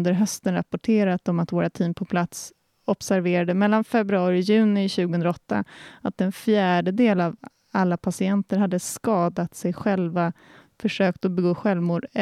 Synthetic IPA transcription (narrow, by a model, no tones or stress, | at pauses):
nd̪əɾɦœst̪ənɾa̰pɔʈʰeːɾat̪ɔmat̪voːɾat̪ʰiːmpʰɔpʰlat̪s | ɔpsæɾveːɾad̪əmɛlːanfɛbɾɵɑːɾɪɪjʉ̟ːnɪɕʉ̟ːɡəhɵnd̪ɾaɔt̪ːa̰at̪ɛnfjæːɖəd̪eːlav | alːapʰasɪɛnt̪əɾɦad̪ːəskɑːd̪at̪sɛjɧɛlva | fœʂøːkt̪ɔbɛɡoːɧɛlvmuːɖ